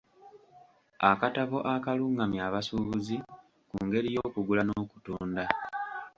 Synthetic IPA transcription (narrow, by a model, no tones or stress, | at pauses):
akataβo̞ʔakaluːŋɡamjaːβasuːβuzi | kuːŋɡe̞ɾijo̞ːkuɡulanoːku̥tuːnda